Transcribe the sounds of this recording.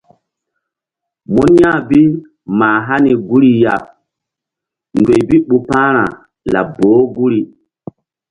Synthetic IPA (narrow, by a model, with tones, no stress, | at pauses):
mɔ˦n˦jã˦˨bi˦ | maː˨ɦa˦ni˨ɡu˦ɾi˨ja˨ | ndwe˨jbi˦ɓu˨pã˦ɾa̰˨ | la̰˨bo˨˦ɡu˦ɾi˨